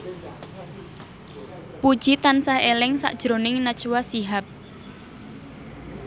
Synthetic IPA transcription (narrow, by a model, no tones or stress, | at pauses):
pud̥ʒ̥it̪ansahelɪŋsa̰ʔd̥ʒ̥ɾonɪŋnat͡ʃwasiɦap̚